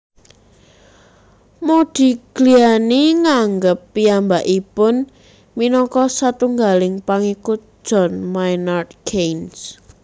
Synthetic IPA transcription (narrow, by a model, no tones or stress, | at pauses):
mod̪̥i̤ɡ̥lianeŋaŋɡəpːiambaʔipʊn | minɔkɔsat̪uŋɡalɪŋpaŋikʊt̪̚d̥ʒ̥ɔ̤nmajnart̪̚kʰejns